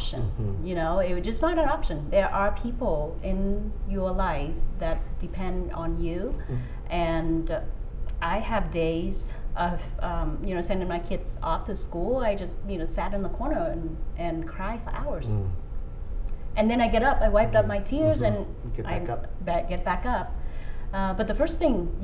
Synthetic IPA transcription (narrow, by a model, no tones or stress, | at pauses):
ʃɨ̃njɨnoʊɪd͡ʒʌsnəɾɨ̃nɑpʃɨ̃nðə˞ʔə˞pʰipl̩ˠ | ɪ̃njə˞laɪfðɨt̚d̥ɨpʰɛ̃nd | n̩jʉ | ʔɨ̃n | ʔaɪɨvdeɪz | ʔʌv̥ʌ̃mjɨnoʊsɛ̃ndɪ̃ŋmaɪkʰɪdz̥ɔ̰ftʰɨskulˠaɪd͡ʒʌst̚jɨnoʊsæɾɨ̃nðəkʰɔɹnə˞ɨ̃nʔɨ̃nkʰɹ̥aɪfə˞ʔa̰ʊə˞z̥ | ʔɨ̃nðɨ̃ɾ̃aɪɡɛɾʌpaɪwaɪp̚tʌp̚maɪtʰɪɹzɨ̃n | ʔaɪbɛɡ̥ɛt̚b̥ækʌp̚ʌbʌt̪̚ðɨfɜ˞sθɪ̃ŋ